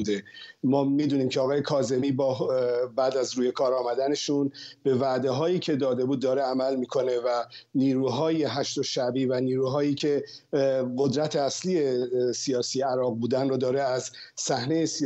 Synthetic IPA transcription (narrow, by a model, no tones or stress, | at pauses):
d̪emɒːmiːd̪uːniːmcʰeɒːɣɒːje̞kʰɒːze̞miːbɒːbæːd̪æzɾuːje̞kʰɒːɾɒːmæd̪æne̞ʃunb̥e̞væʔd̪e̞ɦɒːjiːcʰe̞d̪ɒːd̪e̞buːd̪ːɒːɾeæmælmiːkʰo̞ne̞væniːɾuːɦɒːje̞ɦæʃt̪oʃæbiːvæniːɾuːɦɒːjiːcʰe̞ | ɢo̞d̪ɾæt̪ʰeæsliːje̞sijɒːsiːjeæɾɒːɣ̚buːd̪ænrʊd̪ɒːɾeæzsæhne̞jesi